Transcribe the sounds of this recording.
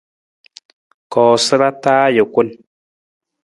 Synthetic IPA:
kɔː˨sɨ˦ɾa˦taː˦jə˨kʷo˦n

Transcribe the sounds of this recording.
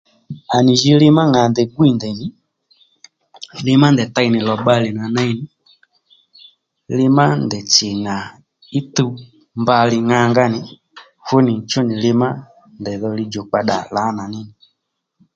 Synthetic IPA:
a˨nɪ˨ʒi˦lɪ˦ma˦ŋa˨ndɛ˨ɡwi˨ndɛ˨ɲi˦ | lɪ˦ma˦ndɛ˨ta˦i˨nɪ˨lɔ˨ɓa˦lɪ˨na˨na˦i˦nɪ˨ | lɪ˦ma˦ndɛ˨t͡ʃɪ˨ŋa˨ | i˦tu˦ | mba˧˨lɪ˨ŋa˧˦ŋɡa˦nɪ˨ | fu˦nɪ˨t͡ʃɔ˦nɪ˨lɪ˦ma˦ | ndɛ˨ðɔ˧li˧d͡ʒɔ˨k͡pa˧ɗa˨la˨˦na˨nɪ˦nɪ˨

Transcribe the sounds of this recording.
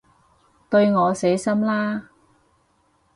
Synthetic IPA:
t̪ɵ˧ɥŋɔː˨˧se˨˥jsɐ˥mlaː˥

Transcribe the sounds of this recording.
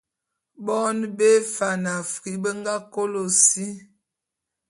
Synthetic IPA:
bɔ˦nbe˦fa˨na˨fi˦bə˦ŋɡa˦ko˦lo˨si˦

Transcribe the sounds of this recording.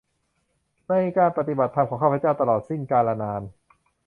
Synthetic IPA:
ma˧˥˩i˧˩kaː˧npa˧˩t̪i˨˩ba˨˩t̪ʰːa˧mkʰɔː˩˦ŋkʰːpʰːt͡ɕaː˥˩wt̪a˧lɔː˨˩t̪̚si˥˩ŋkaː˧nla˧naː˧n

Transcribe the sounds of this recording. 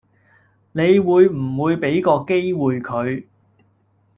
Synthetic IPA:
ne˨˧jwuː˨˧jm̩˨˩wuː˨˧jpe˨˥jkɔː˧ke˥jwuː˨jkʰɵ˨˧ɥ

